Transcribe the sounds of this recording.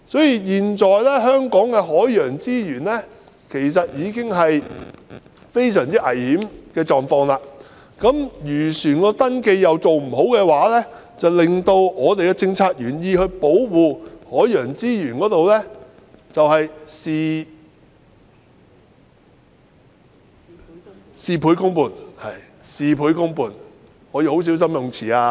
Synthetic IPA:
sɔː˨˥jiː˧jiː˨nt͡ʃɔː˨jlɛː˥ɦœː˥ŋkɔː˨˥ŋkɛː˧ɦɔː˨˥jjœː˨˩ŋt͡siː˥jyː˨˩nlɛ˥ | kʰe˨˩js̬ɐ˨t̚jiː˨˧kɪ˥ŋɦɐ˨j | fe˥jsœː˨˩ŋt͡siː˥ʔɐ˨˩jhiː˨˥mkɛː˧t͡sɔː˨ŋfɔː˧ŋlaː˧ | kɐ˨˥mjyː˨˩syː˨˩nkɔː˧t̪ɐ˥nke˧jjɐ˨˧wt͡so˨wm̩˨˩ɦo˨˥wkɛː˧waː˨˥lɛː˥ | t͡sɐ˨wlɪ˨ŋt̪o˧wɔː˨˧t̪e˨jkɛː˧t͡sɪ˧ŋt͡sʰaː˧k̚jyː˨˩njiː˧hɵ˧ɥpo˨˥wwuː˨hɔː˨˥jjœː˨˩ŋt͡siː˥jyː˨˩nkɔː˨˥t̪o˨wlɛː˥ | t͡sɐ˨whɐ˨jsi˧ | siː˨˧pʰuː˨˥jkʊ˥ŋpuː˨˩nhɐ˨j | siː˨˧pʰuː˨˥jkʊ˥ŋpuː˨˩n | hɔː˨˧jiː˨˧ho˨˥ws̬i˨˥ws̬ɐ˥mjʊ˨ŋt͡sʰiː˨˩aː˧

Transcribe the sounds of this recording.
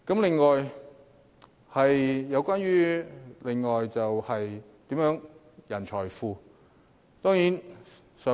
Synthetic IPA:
kɐ˨˥mlɪ˨ŋːɔː˨j | hɐ˨jːɐ˨˧wkʷaː˥nɥyː˥le˨˩ŋːɔː˨jt͡sɐ˨whɐ˨jt̪iː˨˥mjœː˨˥ŋ | jɐ˨˩nt͡ʃʰɔː˨˩jfuː˨ | t̪ɔː˥ŋjiː˨˥n | sœː˨˧˥

